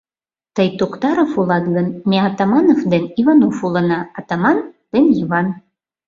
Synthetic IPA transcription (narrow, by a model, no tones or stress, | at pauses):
t̪əjt̪okt̪ɑɾofulˠɑd̪ɡɤnmʲeat̪ɑmɑnofd̪enivɑnofulˠɤ̆nɑːt̪ɑmɑnd̪̥eniβɑn